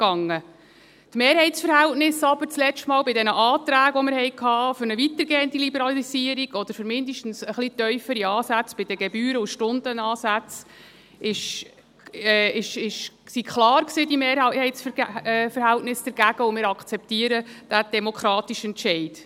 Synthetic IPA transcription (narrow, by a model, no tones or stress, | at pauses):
ɡ̥ɑŋːə | tmeːɾhɛɪtt͡sfəɾhɛltnɪsɑb̥əɾt͡slɛt͡ʃtmɑːlbɪdɛnəʔɑːt̪ɾæːɡʋɔməɾhɛɪkʰɑːføɾnəvitəɾɡeːəndilibəɾɑlisiːəɾiɡ̥ɔd̥̪əɾfɵɾmɪndəʃtn̩səχlitœʏfəɾiɑːsæt͡sb̥ɪd̥əɡɛbyːɾəuʃtʊndənɑːsæt͡s | ɪʃ | ɛɪʃɪʃksikχlɑːɾksiːdimeːɾhɛɪtsffəɾhɛltnɪsd̥əɾɡ̥æɡ̥əʊmɪːɾɑkχt͡sɛptiːəɾəd̥æd̥ɛmɔkʰχɾɑːtiʃɛntʃɛɪd̥